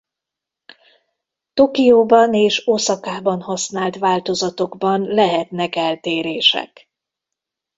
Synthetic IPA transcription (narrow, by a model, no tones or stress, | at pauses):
t̪o̞kijoːbɒneːʃosɒkaːbɒnɦɒsnaːlt̪ʋaːlt̪o̞zɒt̪o̞ɡbɒnlɛɦɛt̪nɛkɛlt̪eːɾeːʃɛ̰k